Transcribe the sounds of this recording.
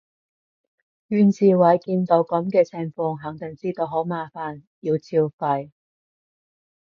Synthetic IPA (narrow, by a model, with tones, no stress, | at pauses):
jyː˨˧nt͡sʰiː˨wɐ˨˩jkiː˧nt̪o˨˧wkɐ˨˥mkɛː˧t͡sʰɛ˨˧ŋfɔː˧ŋɦɐ˨˥ŋt̪ɪ˨˩ŋt͡siː˥t̪o˧wɦo˨˥wmaː˨˧faː˨njiː˧wt͡sʰiː˧wfɐ˧j